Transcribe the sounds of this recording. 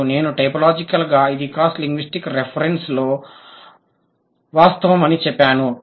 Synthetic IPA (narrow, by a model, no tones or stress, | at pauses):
ne̞ːnuʈɐjpɐlaːd͡ʒikɐlɡaːid̪ikaːsʈliŋɡʋisʈikɾepʰɐɾeɳslo̞ː | ʋaːst̪ɐʋɐmɐnit͡ʃɛpːaːnu